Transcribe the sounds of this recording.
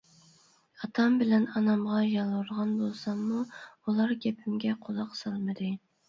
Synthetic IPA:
ɑt̪ʰɑmbɪlɛnɑnɑmʁɑjɑlˠwuɾʁɑnbolˠsɑmːuulˠɑɾɡʲɛpʰymɡʲɛqʰozɑqsɑlˠmɨd̪ɨ

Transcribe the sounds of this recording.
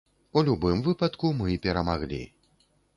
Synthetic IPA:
ulʲubɨmvɨpɐt̪kumɨipʲɛɾɐmaɣlʲḭ

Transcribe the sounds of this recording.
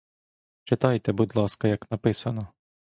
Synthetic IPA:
t͡ʃɪt̪ɑjt̪ɛbud̪lˠɑskɐjɐknɐpɪsɐnɔ

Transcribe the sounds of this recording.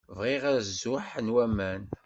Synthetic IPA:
vʁiʁæɾzʊħnwæmæn

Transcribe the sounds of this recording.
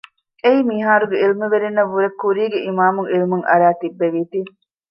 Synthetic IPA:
eimiɦaːɾuɡeilmeʋeɾenːɐʋːuɾekːuɾiːɡeʔimaːmuŋilmuŋʔɐ̰ɾæːt̪ibːeʋiːt̪i

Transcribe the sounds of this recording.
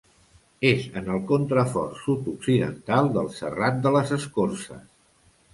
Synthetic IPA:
ezənəlˠkunt̪ɾəfɔ̰rsut̪uksiðə̰nt̪alˠd̪əlˠsə̰rat̪̚d̪ələzəskorsə̰s

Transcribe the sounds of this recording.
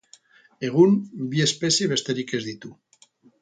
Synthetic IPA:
eɣ̞unbiespesjeβest̪eɾikezðit̪u

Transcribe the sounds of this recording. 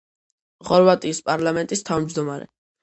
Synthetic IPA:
χɔɾvat̪ʼiːspʼaɾlamɛnt̪ʼist̪ʰavmd͡ʒd̪ɔmaɾɛ̰

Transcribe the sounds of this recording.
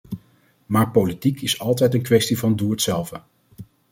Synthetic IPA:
maːɹpolitikʰɪsɑlˠtɛjtənkʋɛstivɑnduːətsɛlˠvə

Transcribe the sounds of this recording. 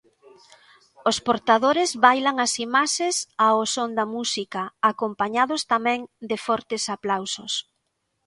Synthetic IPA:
ospoɾt̪aðoɾɪzβajlaŋɐsimaʃesaosond̪amusikaːkompaɲaðost̪amɛ̃ŋd̪ɪfɔɾt̪ɪsaplawso̰s

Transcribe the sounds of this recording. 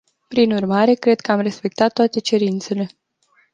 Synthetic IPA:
pɾinurmaɾe̞kɾe̞d̪̚kəamre̞spe̞k̚t̪at̪ːoat̪e̞t͡ʃe̞ɾint̪se̞le̞

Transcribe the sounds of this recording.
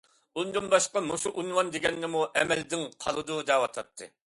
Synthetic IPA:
und̪unbɑʃqɑmoʃuʔunwɑnd̪eɡʲɛnːɪmuʔɛmɛld̪ɪŋqʰɑ̰lˠɨd̪ud̪ɑwɑt̪ʰɑt̪ʰːɨ̰

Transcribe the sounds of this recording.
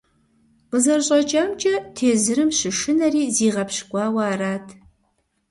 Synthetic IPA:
qəzɐrɕʼɐt͡ʃʼɐːmt͡ʃʼɐtʰeːzɨɾɨmɕɨʂɨnɐriːziːʁɐpɕkʷʼɑːwaːraːtʰ

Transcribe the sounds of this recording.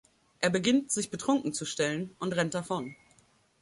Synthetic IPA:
ʔeːɐbəɡɪntz̥ɪçb̥ətʁ̥ʊŋkŋ̩t͡suʃtɛlənʔʊntʁɛnt̚d̥afɔn

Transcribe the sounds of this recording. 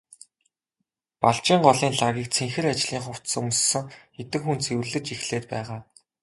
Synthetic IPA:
paɮt͡ɕiːɴɢɔɮiːnɮaɣʲiːk̚t͡sʰeŋxɘ̆ɾat͡ɕɮiːŋχʊw̥t͡s̪sɵmssɵ̆ŋxet̪ɘ̆kxunt͡sʰewɘ̆ɮɘ̆t͡ɕixɮeːt̪pæ̰ːʁaː

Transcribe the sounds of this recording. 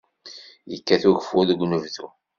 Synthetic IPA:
jəkːæθuʝəfʊðɡʷnəvðu

